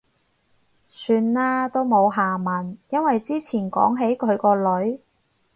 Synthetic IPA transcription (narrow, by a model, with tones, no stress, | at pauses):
syː˧nlaː˥t̪o˥wmo˨˧wɦaː˨˩mɐ˨˩njɐ˥nwɐ˨jt͡siː˥t͡sʰiː˨˩nkɔ̰ː˨˥ŋɦe˨˥jkʰɵ˨˧ɥkɔː˧lɵ˨˥ɥ